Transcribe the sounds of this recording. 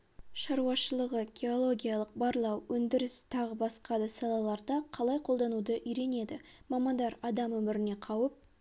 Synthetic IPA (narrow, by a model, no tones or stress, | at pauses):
ʃɑɾuɑʃəlˠəʁəɡʲe̞o̞lˠo̞ɡʲijɑlˠəq̚bɑɾlˠɑwwɵnd̪ɪɾɪst̪ʰɑʁəbɑsqɑd̪əsɑlˠɑlˠɑɾd̪ɑqʰɑlˠɑjqʰo̞lˠd̪ɑnud̪əʔʏjɾe̞ne̞d̪ɪ | mɑmɑnd̪ɑɾɑd̪ɑmɵmɪɾɪne̞qʰɑwəp̚